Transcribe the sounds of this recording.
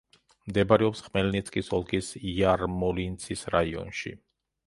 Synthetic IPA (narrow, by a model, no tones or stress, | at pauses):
md̪ɛbaɾɛɔpsχmɛlnit̪sʰkʼisɔlˠɡisiaɾmɔlint̪sʰisɾaiɔ̰nʃḭ